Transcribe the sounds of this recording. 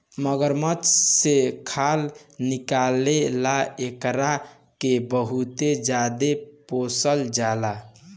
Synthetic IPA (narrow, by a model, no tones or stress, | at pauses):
məɡəɾmət͡ʃsekʰalnikalelaekɾa | kebəɦut̪ed͡ʒad̪eposəld͡ʒala